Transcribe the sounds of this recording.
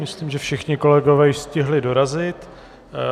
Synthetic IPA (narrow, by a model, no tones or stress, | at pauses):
mɪsliːmʒɛfʃɪxɲɪko̞lɛɡovɛːjɪʃscɪɦlɪdo̞ɾazɪt̪